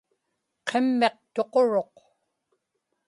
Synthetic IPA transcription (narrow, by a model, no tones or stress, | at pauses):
qʰemːe̞q̚t̪o̞qo̞ɻo̞q